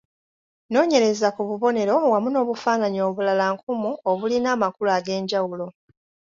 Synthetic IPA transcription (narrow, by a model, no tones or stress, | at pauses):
no̞ːɲe̞ɾe̞zakuβuβo̞ne̞ɾo̞wamuno̞ːβufaːnaɲio̞ːβulalaŋkumuoβulinaːmakulaɡe̞ːɲɟawulo̞